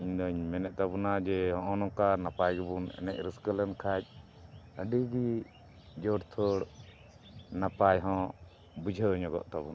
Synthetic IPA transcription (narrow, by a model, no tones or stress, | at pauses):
iɲd̪ɔɲmɛnɛʔ̚t̪abunad͡ʒɛɦɔ̃ʔɔ̃nɔ̃kanapajɡɛbunɛ̰nɛc̚ɾəskələnkʰac̚ | əɖiɡi | d͡ʒɔɽt̪ʰɔɽ | napajɦɔ̃ | bud͡ʒʱəɲɔɡɔ̰ʔt̪abuna